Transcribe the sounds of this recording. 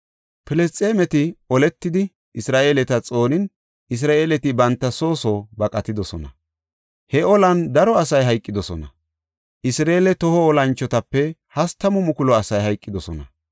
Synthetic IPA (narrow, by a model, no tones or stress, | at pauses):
pɪlɛst͡sʼeːmɛt̪ɪɔlɛt̪ːɪd̪ɪ | ɪsɾaːʔe̞ːlɛt̪ɐt͡sʼo̞ːnɪn | ɪs̬ɾaːʔe̞ːlɛt̪ɪbɐnt̪ːɐso̞ːsoːbɐkʼɐt̪ɪd̪ɔsɔnɐ̰ | hɛɔlɐnd̪ɐɾɔɐsɐjɦɐjkʼːɪd̪ɔsɔnɐ̰ | ʔɪsɾeːlɛt̪ɔhɔːlɐnt͡ʃːɔt̪ɐpːɛhɐst̪ːɐmʊmʊkʊlɔɐsɐjhɐjkʼːɪd̪ɔsɔnɐ̰